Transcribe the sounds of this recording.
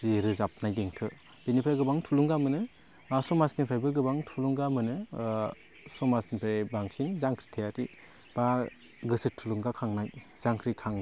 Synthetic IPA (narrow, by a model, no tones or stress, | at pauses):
ziɾɯzap̚najdeŋtʰɯ | b̥enipʰɾaɡɯbaŋtʰuluŋɡamɯnɯ | sɔmasnipʰɾajbɯɡɯbaŋtʰuluŋɡamɯnɯ | sɔmasnipʰɾabaŋsinzaŋkʰɾi̥tʰejati | b̥a | ɡɯsɯtʰːuluŋɡakʰaŋnajz̥aŋkʰɾikʰaŋ